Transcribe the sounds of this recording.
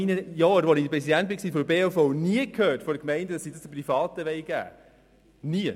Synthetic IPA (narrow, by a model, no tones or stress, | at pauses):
inəjɔːɾʋɔnidəpɾɛsidænt̚bɪksiːfɔbeːofɔʊniəkʰhøːtfɔɾəkmɛɪndədɑsiːdɑsd̥̪əprifɑːt̪əʋɛɪɡ̥æ̰ː | niə